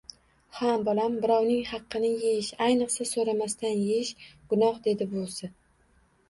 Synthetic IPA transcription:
hambɒlambɪɾɒwnɪŋhɑqʰːɨnɪjeɪʃajnɨqsasoɾamast̪ʰanjeʃɡ̥ʊnɒhd̪e̞d̪ɪbolˠsɪ

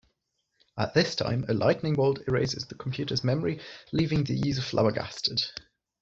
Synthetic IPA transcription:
ʔə̰ʔðɪstʰã̰ɪ̃məlʔaɪʔnɪ̃ŋwəːlˠdɪɹeɪzɪ̰zðəkʰə̃mpʰj̥ʉˑtʰəzmɛməɹiliːvɪ̃ŋðəjʉːzə̥flʔa̰ʊəɡa̰stʰəd̥

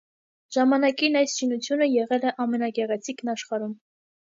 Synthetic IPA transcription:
ʒ̥ɑmɑnɑkinɑjsʃinut͡sʰjunəjɛʁɛlɛʔɑmɛnɑɡɛʁɛt͡sʰiknɑʃχɑɾum

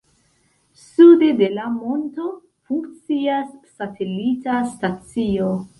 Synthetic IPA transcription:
sudede̞lamo̞nto̞ | fuŋkt͡siasːatʰe̞litastat͡sio̞

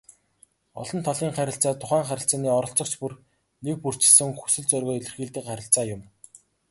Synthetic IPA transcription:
ɔ̰ɮɞ̆nt̪ʰɔɮiːŋχæɾʲɪ̆ɬt͡saːt̪ʰʊχæːŋχæɾʲɪ̆ɬt͡saːniːɔɾɞ̆ɬt͡sɞ̆kt͡ɕpur | nek̚pur̥t͡ɕɪ̥̆sɘ̆ŋxu̥sɵ̆ɮt͡sœrɣɔːiɮɘ̆rxiːɮt̪iːkχaɾʲɪ̆ɬt͡saːjʊm

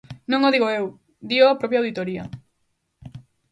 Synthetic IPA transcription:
nõŋoðiɣoew | d̪ioapɾɔpjawðit̪oɾiɐ̰

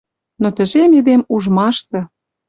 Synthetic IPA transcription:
not̪ə̆ʒemed̪emuʒmɑʃt̪ɤ̆

